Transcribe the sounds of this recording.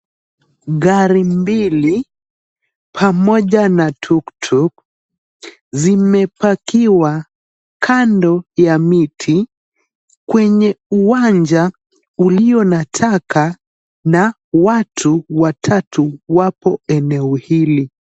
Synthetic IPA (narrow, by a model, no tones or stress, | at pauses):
ɣaɾimbili | pʰamɔʄanatʰuktʰuk̚ | zimɛpakiwa | kʰandɔjamitʰi | kwɛɲɛuwaɲd͡ʒa | uliɔnatʰaka | na | watʰuwatʰatuwapɔɛnɛɔhili